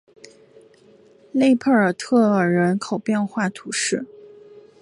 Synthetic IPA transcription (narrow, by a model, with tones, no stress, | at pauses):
le˥˧ɪpʰə˥˩ə˞˨˩t̪ʰɤ˥˩ə˨˩ɻə˧˥nkʰo˨˩ʊpjɛ˥˧nxwa˥˩t̪ʰu˧˥ʂɻ̩˥˩